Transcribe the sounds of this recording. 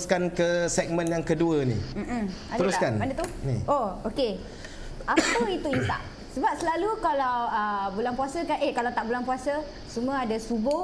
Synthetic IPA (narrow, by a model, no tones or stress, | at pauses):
skankəsɛk̚mə̃njaŋkəduənḭm̩ | ad̪əɾuskanbandət̪unḭʔooke | ʔapəit̪uinsa̰ʔ | səbap̚səlalukalawəbulanpuasəkanʔekalat̪aʔbulanpuasə | sumũaadasubʊ